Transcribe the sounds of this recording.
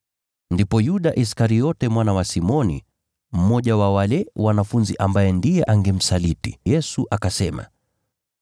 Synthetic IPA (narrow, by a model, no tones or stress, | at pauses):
ndipɔjuɗaʔis̬kaɾijɔtɛmwanawasimɔnḭ | m̩mɔʄawawalɛwanafunziʔambajɛndijɛʔaŋɡɛm̩salitijɛsuʔakasɛma̰